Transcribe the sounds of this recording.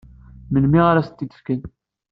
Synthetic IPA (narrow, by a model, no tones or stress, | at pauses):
mənmiʁaɾæsət̪ːid̪ə̥fkən